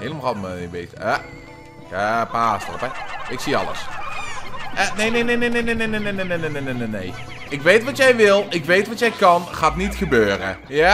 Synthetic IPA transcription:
hejləmɑlˠhɑtməibejtəə | kəpaːsdərɔ̰pɛɪksiɑ̰lə̰s | ʔənejnejnenejnenenenenenenenenenenenej | ɪkʋejtʋɑtjɛjʋɪlˠɪkʋejtʋɑtjɛjkɑnχaːtnitxəbøːrə̰ | ja

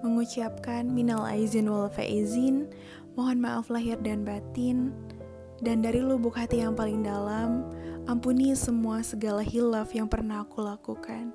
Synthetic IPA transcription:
məŋut͡ʃiap̚kanminala̰jzinwɔlfa̰ʔizɪn | moɦɔnmaʔaflaɦirdanbat̪ɪn | dandaɾilubukɦat̪ijaŋpalɪŋdalamʔampunisəmuasəɡalahilafjaŋpərnahkulakukʰan

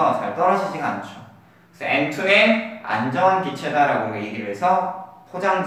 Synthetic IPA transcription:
atʰajot͈ʌɾʌd͡ʑʰid͡ʑiɡant͡ɕʰo | kke̥sʰʌentʰunea̰nd͡ʑʌnɡit͡ɕʰe̞daɾaɡomeeɡiɾɯɭɦesʰʌpʰod͡ʑaŋd͡ʑ

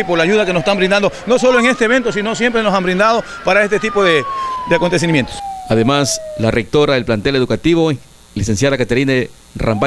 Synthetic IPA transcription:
ipolaʝuðakenosst̪ambɾind̪and̪ono̞so̞loeŋe̞st̪eβe̞nt̪o̞sino̞sjempɾenosambɾind̪að̞o̞ | paɾaest̪e̞t̪ipo̞ðed̪eakot̪e̞s̬imjent̪osaðemaslarek̚t̪o̞ɾaelplant̪ele̞ðukat̪iβo | lise̞nsjaðakat̪eɾine | rʔa̰mba

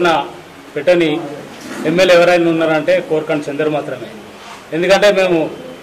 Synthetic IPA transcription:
nɐ | peʈːɐni | emːelɛʋɐɾɐjnuunːaːɾɐɳʈe̞ːkoːɾkɐɳɖt͡ʃend̪ɐɾumaːt̪ɾɐme̞ː | end̪ukɐɳʈe̞ːme̞ːmu

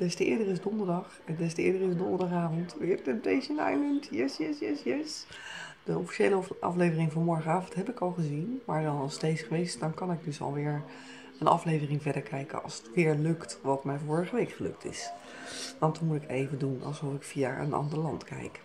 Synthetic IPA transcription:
d̥ɛstəɪ̰ːɹdərɪzdɔndəɹdɑχ | dɛstəɪ̰ːɹdərɪsdɔndəɹdɑχaːvɔntʋɪːɹtɛmp̚tejʃəna̰jləntjɛsjɛsjɛsjɛs | d̥əɔfi̥ʃejləʔɑ̰flejvərɪŋvɑnmɔɹχənaːvəntɦɛpɪkɑlˠχəzinmaːɹdɑnɑlˠstejsχəʋejstdɑnkɑnɪɡ̚dɵsɑ̰lˠʋɪːɹ | ənɑ̰flejvərɪŋvɛdəɹkʰɛjkə̰ɑ̰lˠsətʋɪːɹlɵktʋɑtmɛjvɔːɹəχəʋejkχəlɵ̰k̚tʰɪ̰s | ʋɑntmutɪkʰḛjvəndunɑ̰lˠzɔfɪkfija̰ʔə̰nɑ̰ndəɹlɑ̰ntkɛ̰jk

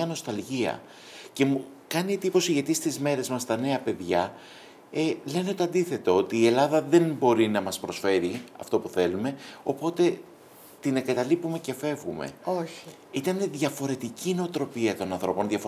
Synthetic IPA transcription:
ɐno̞st̪ɐlʝiɐ̰ | ce̞mu | kɐniet̪ipo̞siʝɐt̪ist̪izme̞ɾe̞zmɐst̪ɐne̞ɐpe̞ðʝɐ | ele̞neot̪o̞ɐnd̪iθe̞t̪oo̞t̪iːe̞lɐðɐðe̞nbo̞ɾinɐmɐspɾo̞sfe̞ɾiɐ̰ft̪o̞puθe̞lume̞o̞po̞t̪e̞ | t̪ine̞ŋɡɐt̪ɐlipume̞ce̞fe̞vɣumḛoç | it̪ɐne̞ðʝɐfo̞ɾe̞t̪icineot̪ɾo̞piɐt̪o̞nɐnθɾo̞po̞nðʝɐfo

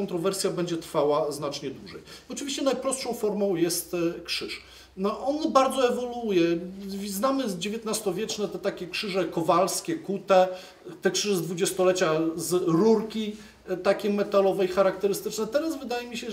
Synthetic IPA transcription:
ɔnt̪ɾɔvɛɾsʲjabɛɲd͡ʑɛt̪ɾfawaznat͡ʂɲɛd̪wuʐɛjɔt͡ʂɨvʲiɕt͡ɕɛnajpɾɔst̪ʂɔ̃w̃fɔɾmɔ̃w̃jɛst̪kʂɘʂ | ʔɔnbaɾd̪zɔɛvɔlujɛznamɘd͡ʑevʲjɛt̪nast̪ɔvʲjɛt͡ʂnɛt̪ɛt̪akʲɛkʂɘʐɛkɔvalskʲɛkut̪ɛ | t̪ɛkʂɘʐɛzd̪vud͡ʑɛst̪ɔlɛt͡ɕazɾuɾkʲi | t̪akʲɛmɛt̪alɔvɛjxaɾak̚t̪ɛɾɘst̪ɘt͡ʂnɛt̪ɛɾazvɘd̪ajɛmʲiɕɛ

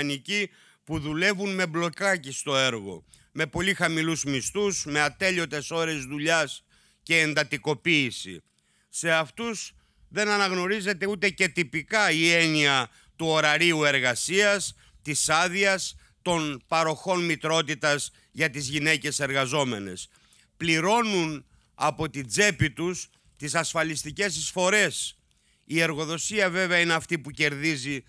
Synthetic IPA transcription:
nici | puðule̞vunme̞blo̞kɐcist̪o̞e̞ɾɣo̞̰ | me̞po̞lixɐmiluzmist̪usme̞ɐt̪e̞ʎo̞t̪e̞so̞ɾe̞zðuʎɐs | ce̞ːnd̪ɐt̪iko̞piːsḭː | e̞ɐft̪us | ðe̞nɐnɐɣno̞ɾize̞t̪e̞ut̪e̞ce̞t̪ipikɐie̞niɐ | t̪uo̞ɾɐɾiue̞ɾɣɐsiɐs | t̪isɐðiɐs | t̪o̞npɐɾo̞xo̞nmit̪ɾo̞t̪it̪ɐz | ʝɐt̪izʝine̞ce̞se̞ɾɣɐzo̞me̞ne̞̰s | pliɾo̞nun | ɐpo̞t̪id͡ze̞pit̪us | t̪isɐsfɐlist̪ice̞sisfo̞ɾe̞s | ie̞ɾɣo̞ðo̞siɐve̞veɐineɐft̪ipuce̞ɾðizi

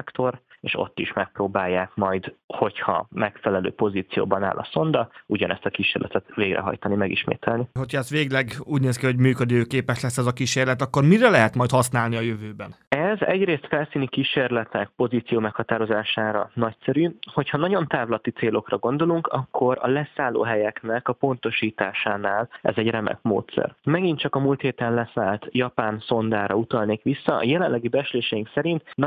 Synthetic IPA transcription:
ɛkt̪o̞reːʃo̞̰t̪ːiʃmɛk̚proːbaːjːaːkmɒjd̪ho̞chɒ̰mɛkfɛlɛlø̰ːpo̞ziːt̪sijo̰ːbɒna̰ːlʔɒ̰so̞nd̪ɒuɟɒnɛst̪ɒkiʃeːrlɛ̰t̪ɛt̪veːɡrʔɛ̰ɦɒ̰jt̪ɒnimɛɡḭʃmḛːt̪ʰɛlniɦo̞cʰhɒɛst̪ʋeːɡlɛɡuːɟneːskiho̞ɟmyːkød̪iøːkeːpɛʃlɛsːɛzɒkiʃeːrlɛt̪ɒkːo̞rmiɾɛlɛɦɛt̪mɒjt̪hɒsnaːlniɒjø̞vøːbɛnɛzɛ̰ɟɾeːst̪fɛlsiːnikiʃeːrlɛt̪nɛk̚po̞ziːt̪sijoːmɛkhɒt̪aːɾo̞zaːʃaːɾɒ̰nɒcsɛɾyho̞chɒnɒɟo̞nt̪aːvlɒt̪it̪seːlo̞krɒɡo̞n̪d̪o̞luŋkɒkːo̞ɾɒ̰lɛsaːlo̰ːɦɛjɛknɛkɒpo̞nt̪o̞ʃiːt̪aːʃaːnaːlɛ̰zɛɟrɛmɛ̰kmo̰ːt̪sɛ̰rmɛɡint̪t͡ʃɒkɒmuːlt̪heːt̪ɛnlɛsaːlt̪jɒpaːnso̞nd̪aːɾɒ̰ut̪ɒlneːkʋisːɒ̰jɛlɛnlːɛɡibɛt͡ʃleːʃɛjiŋksɛɾint̪n

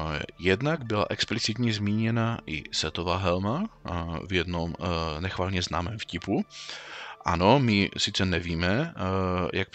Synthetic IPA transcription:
jɛd̪naɡbɪla̰ʔɛksplit͡sit̪ɲɛzmiːɲɛnaʔɪ̰sɛt̪ovaːɦɛlma | vjɛd̪nomnɛxvaːlɲɛzna̰ːmɛːmfcipu | ʔa̰nomɪsɪt͡sɛnɛviːmɛ | jʔak̚

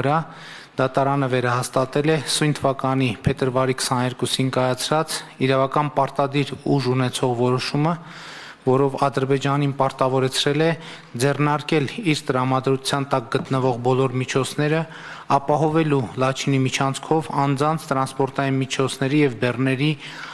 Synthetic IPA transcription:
əɾɑ | d̪ɑt̪ɑɾɑnəvɛɾɑhɑst̪ɑt̪ɛlɛsujnt̪ʰəvɑkɑn̪ipʰɛt̪əɾvɑɾikʰsɑnɛɾkusinkɑjɑt͡sʰɾɑt͡siɾɑvɑkɑnpɑɾt̪ɑd̪iɾuʒunɛt͡sʰɔʁvɔɾɔʃumə | vɔɾɔvɑd̪əɾbɛd͡ʒɑninpɑɾt̪ɑvɔɾɛt͡sʰɾɛlɛ | d͡zɛrnɑɾkɛliɾt̪əɾɑmɑd̪ɾut͡sʰjɑnt̪ɑk̚ɡət̪nəvɔʁbɔlɔɾmit͡ʃʰɔt͡sʰnɛɾə | ɑpɑɦɔvɛlulɑt͡ʃʰinimit͡ʃʰɑnt͡sʰkʰɔvɑnd͡zɑnt͡sʰt̪əɾɑnspɔɾt̪ɑjinmit͡ʃʰɔt͡sʰnɛɾijɛvbɛrnɛɾi

